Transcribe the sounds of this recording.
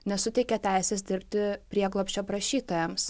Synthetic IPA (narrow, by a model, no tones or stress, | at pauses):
nʲɛsʊt̪ʲɛɪkʲɛt̪ʲæˑɪsʲɛs̬d̪ʲɪɾʲpʲt̪ʲɪpʲɾʲiɛɡlˠoːpʲsʲt͡ʃʲoːpɾɐʃʲiːt̪oːjɛms